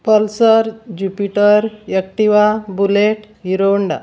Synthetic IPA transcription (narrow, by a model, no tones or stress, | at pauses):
pəlsəɾd͡ʑupiʈəɾjək̚ʈiʋabuleʈ | ɦiɾoɳɖa̰